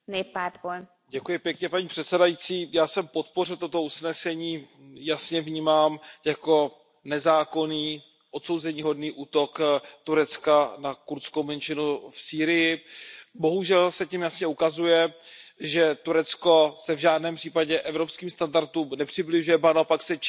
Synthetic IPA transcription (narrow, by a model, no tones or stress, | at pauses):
nɛpaːt̪boj | ɟɛkujɪpjɛkɲɛpaɲiːpr̥ɛt̪sɛdajit͡siːjaːsɛmpo̞t̪po̞r̝ɪlt̪o̞t̪o̞usnɛsɛɲiː | jasɲɛvɲiːmaːmjako̞ | nɛzaːko̞niː | ʔo̞t̪so̞wzɛɲiːɦo̞dniːʔuːt̪o̞kt̪uɾɛt͡skanakuɾskowmɛnt͡ʃɪnufsiːɾɪjɪbo̞ɦuʒɛlsɛcimjasɲɛukazujɛʒɛt̪uɾɛt͡sko̞sɛvʒaːdnɛːmpr̝̥iːpaɟɛʔɛvɾo̞pskiːmst̪andaɾt̪uːmnɛpr̥ɪblɪʒujɛbanaopaksɛ